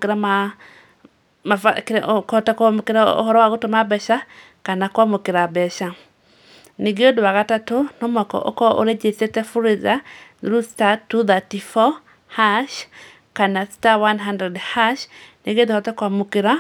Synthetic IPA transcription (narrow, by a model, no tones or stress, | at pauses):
kɪɾama | maakkɔtakamokeɾaɔ̰hɔɾɔwaɣotomabɛʃa | kanakwamokɪɾabɛʃa | neɡiodwaɣatatonɔmɔkɔ̰ʔɔ̰kɔʔo̰ɾed͡ʒesetɛfuɾizaɾustatːuðatifɔ | haʃ | kanastawanɦandɾɛdhaʃneɡioðehɔtakwamokɪɾa